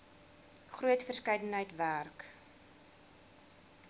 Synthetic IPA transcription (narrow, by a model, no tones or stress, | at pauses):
χruətfərskɛjdənɦəjtværk